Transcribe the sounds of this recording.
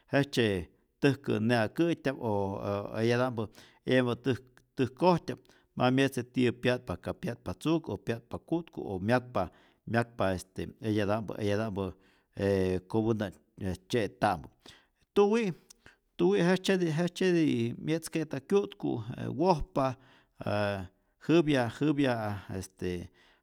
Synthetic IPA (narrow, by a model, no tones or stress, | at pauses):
het͡ʃe | t̪ɨhkɨ̰neakɨtʲapoḛjad̪ambə | embɨt̪ | t̪ɨhkohtʲap̚ | mamʲjet͡set̪ipjaʔt̪̚pakapjaʔt̪̚pat͡sukopjat̪̚pakut̪kṵomjak̚pa | mʲak̚paest̪eejad̪ambɨ̰ʔḛjad̪ambɨ | ekobɨnd̪a | et͡ʃet̪ambɨ | t̪uwiʔ | t̪uwiʔɦet͡ʃed̪iɦet͡ʃt͡ʃed̪imʲjeʔt͡sket̪akʲjut̪kṵḛwohpa | e | hɨbjaʔhɨbjaest̪e